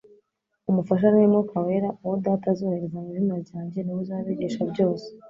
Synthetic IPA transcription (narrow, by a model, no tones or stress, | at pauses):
umufaʃ̬anwemɡokawe̞ːɾaʔuwodaːtazoheɾezamiʒimaɾɟaːɲɟe̞niwuzaβeɟeʃabɟo̞ːse̥